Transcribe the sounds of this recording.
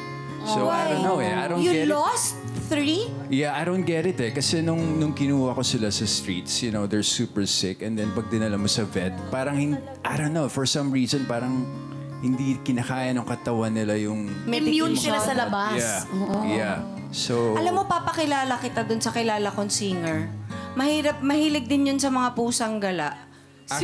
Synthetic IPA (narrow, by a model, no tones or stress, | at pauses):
sowadõnːowɛʔa̰jɾojʊɡlost̪ | θɹi | jaʔajdownt̪̚ɡɛt̪ɪt̪ɛkɐsɛnʊŋnʊŋkɪnuːhɐko̞sɪlasɐst̪ɹit̪sjʊnowd̪ɛɹsuːpɛɹsɪkɛnd̪ɛnpɐɡ̚d̪ɪnɐlɐmːosɐvɛt̪̚paːɾɐŋhɪn | ʔajd̪õnːowfɔɹsɐ̃mɹiːzɔ̃npaːɾɐŋ | hɪnd̪ikɪnɐkaːjɐnʊŋkɐt̪ɐwanːɪlajʊŋmɛmunɪasɐlɐbajsaja | sowʔɐlamːo̞paːpɐkɪlaːlɐkɪt̪ad̪ʊnsɐkɪlaːlɐkonsiŋɛɹmɐhiːɾɐp̚mɐhiːlɛɡ̚d̪ɪnjonsɐmɐŋapuːsɐŋɡɐlaʔ